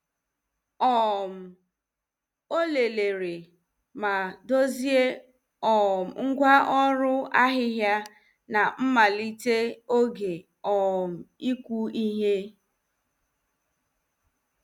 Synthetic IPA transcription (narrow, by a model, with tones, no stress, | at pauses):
ɔ˦˨m̩˨ | o˦le˨le˨ɾe˨ | ma˨do˦zi˦e˦ | ɔ˨m̩˨ŋ̩˦ɡʷa˦ʔɔ˦ɾʊ˦a˦ɦɪ˦ɦja˦ | na˨m̩˦ma˨li˦te˦o˦ɡe˨ | ɔ˨m̩˨i˦kʷu˦i˦ɦe˦